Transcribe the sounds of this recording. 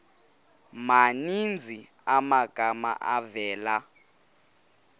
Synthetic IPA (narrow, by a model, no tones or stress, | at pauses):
manind͡zʱi | amaɡ̥ʱama̰ʔavɛːla